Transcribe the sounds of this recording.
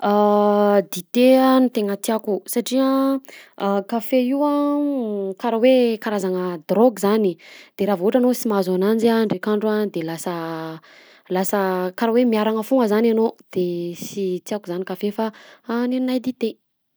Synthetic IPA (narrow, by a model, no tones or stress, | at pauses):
ad̪it̪eanit̪eŋət̪iakusaʈ͡ʂia | kafeiwa | kaɾawekaɾazaŋəd̪roɡzanid̪̥eɾavuʈ͡ʂanosimazanand͡ʒiaɳɖ͡ʐekaɳɖ͡ʐad̪elasə | lasəkaɾawemiaɾaŋəfuŋəzananod̪̥esit̪iakuzanikafefaneninajd̪it̪e